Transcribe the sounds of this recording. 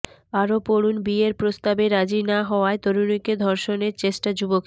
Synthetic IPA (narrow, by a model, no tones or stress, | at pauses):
aɾopoɾunbieɾpɾost̪abeɾad͡ʑinaɦɔoaet̪oɾoniked̪ʱɔɾʃoneɾt͡ɕeʃʈad͡ʑubok